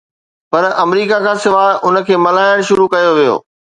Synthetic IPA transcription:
pɐɾɐmɾiːkakʰãːsɪʋaːɦʔʊnə̆kʰeːmɐlaːɪɽ̃ʃʊɾukɐjoʋijo̰ː

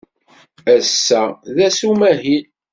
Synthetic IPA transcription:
æsːæðæsumæɦin

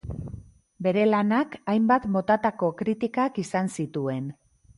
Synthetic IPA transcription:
be̞ɾe̞lanakajmbat̪mo̞t̪at̪ako̞kɾit̪ikakisansit̪ue̞n

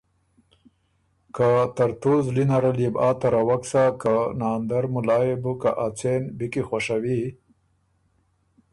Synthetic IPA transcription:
kat̪aɾt̪uzlinaɾalibɑːt̪aɾawaksakanɑːnd̪aɾmʊlɑjebuka̰ʔat͡senbikixwaʂawi

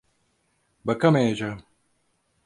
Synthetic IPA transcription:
bɐkɐmeːd͡ʒa

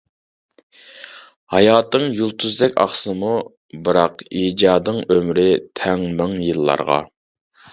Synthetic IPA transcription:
hɑ̰jɑːt̪ɨŋjulˠt̪ʰuzd̪ɛkʲɑ̰χsɨmu | bɨɾɑqiːd͡ʒɑːd̪ɨŋømɾɪt̪ʰɛŋmɨŋjɨlˠːɑ̰ɾʁɑ̰

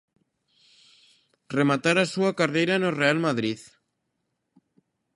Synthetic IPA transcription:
remat̪aɾasuakaɾðejɾanorealmaðɾið

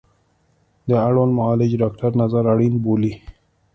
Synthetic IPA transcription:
d̪əaɽwanmʊɑːlɪd͡ʒɖɑkʈaɾnazaɾaɽinboli

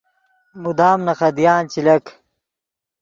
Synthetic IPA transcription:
mud̪aːmnɐxɐd̪ijaːnt͡ɕilɐk

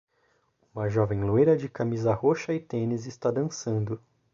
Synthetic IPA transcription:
ũmɐʒɔvẽj̃loejɾɐd͡ʒɪkamizɐhoʃɐɪt̪ẽnɪzɪst̪ad̪ɐ̃sɐ̃nd̪ʊ

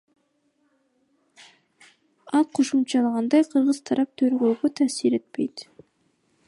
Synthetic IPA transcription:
ɑlˠqʰo̞ʃumt͡ʃɑlˠɑʁɑnd̪ɑjqʰɯɾʁɯz̥t̪ʰɑɾʔɑp̚t̪ʰøɾɡøːɡøt̪ʰæːsiɾe̞t̪̚pe̞jt̪

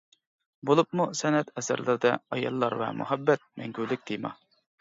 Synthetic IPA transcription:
bolˠup̚musɛnɛt̪ɛsɪ̰ɾlɨɾd̪ɛɑjɑ̰lˠːɑɾvɛ̰mṵɦɛbːɛt̪̚mɛŋɡʲyɾlɪk̚ʲd̪̥ejmɑ

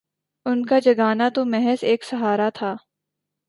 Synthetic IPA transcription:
ʊnkad͡ʒɐɡaːnat̪omɛɦɛseːksɐɦaːɾat̪ʰaː

